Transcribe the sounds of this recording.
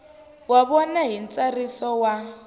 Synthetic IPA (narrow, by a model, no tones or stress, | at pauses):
waβɔnaɦin̩t͡sarisɔwa